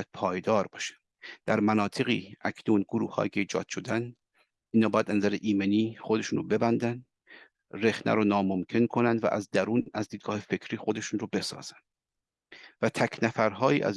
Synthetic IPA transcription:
æd̪̥̚pʰɒːjd̪ɒːɾbɒːʃæ̥n | d̪̥æɾmænɒːt̪ʰe̞ɣḭːʔækʰnuːnɡoɾuːhhɒ̰ːkʰeiːd͡ʒɒ̰ːd̪̥ʃo̞d̪æn | iːnhɒːbːjæd̪ænæzæɾeʔiːmeniːχod̪e̞ʃuːnɾo̰be̞bænd̪ænd̪ | re̞xnæ̰ɾonɒːmomcʰe̞nkʰo̞nænd̪væ̰ʔæ̰zd̪æɾuːnæzd̪iːd̪̚ɡɒːhefe̞kʰɾiːxo̞d̪eʃunrobe̞sɒ̰ːz̥ænd̪̥ | væt̪ʰæcʰnæfæɾɦɒːjiːʔæ̰z

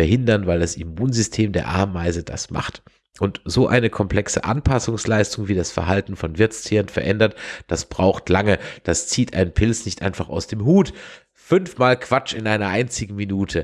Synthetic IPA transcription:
ɛɐhɦɪndɐnvaɪldasimuːnzʏstʰeːmdeːɐʔa̰ɐmːaɪzəd̥a̰sma̰χt | ʔʊntz̥oːʔa̰ɪnəkʰɔmpl̥ɛksə̰ʔa̰npʰasʊŋslaɪstʊŋviːdasfɛɐɦaltn̩fɔnvɪɐt͡stʰiːʁənfɛɐʔɛndɐtd̥asb̥ʁaʊxtʰlaŋəd̥ast͡siːtʰʔa̰ɪnpʰɪlt͡snɪçtʔa̰ɪnfaχa̰ʊsd̥eːmɦuːt | fʏnfmaːlkv̥at͡ʃɪnʔaɪnɐʔaɪnt͡sɪɡŋ̩minuːtʰə

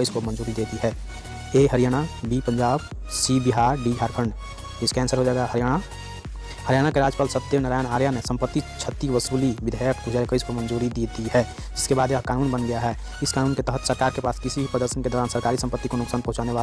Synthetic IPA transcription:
əɪskomə̃nd͡ʒuːɾid̪eːt̪iɦɛː | eɦəɾijaːɽ̃abipə̃ɲd͡ʒaːb | sibɪɦaːɾɖiɡʱaːɾkʰə̃ɳɖ | d͡ʒɪskɛːnsəɾɦod͡ʒaːɛɡaa | həɾjaːɽ̃akeɾaːd͡ʒpalsəp̚t̪enəɾaːjənaːɾjanesə̃mpət̪ːit͡ʃʰət̪ːiʋəsuːlibɪd̪ʱəjəkɡud͡ʒaɾkəɪskomə̃nd͡ʒuːɾid̪id̪iɦɛː | d͡ʒɪskebaːd̪jkaːnuːnbənɡɐjaɦɛː | ɪskaːnuːnket̪əɦət̪səɾkaːɾkepaːskɪsibʱipɾəd̪əɾʃənked̪ɔːɾaːnsəɾkaːɾisə̃mpət̪ːikonʊksaːnpɐɦʊ̃t͡ʃaːneʋaː

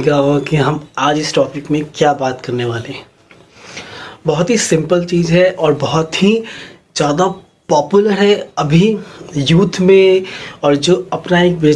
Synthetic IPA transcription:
kaɦokiɦɐmaːd͡ʒɪsʈɔːpɪkmẽkjaːbaːt̪kɐɾneʋaːlẽ | bɐɦʊt̪ɦisɪ̃mpəlt͡ʃiːzɦɛʔɔːɾbɐɦʊt̪ɦi | d͡ʒ̥jaːd̪a | pɔːpjuləɾɦɛɐbʱijuːt̪ʰmẽɔːɾd͡ʒoːɐpnaeːk̚beː

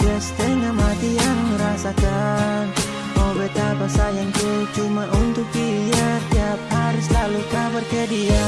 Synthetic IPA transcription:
ast̪ɛŋamat̪iaŋməɾasakan | ɔbɛt̪apasajaŋt̪ut͡ʃumaʔunt̪ʊkːijərt̪iap̚haɾislalukabərkɛdia

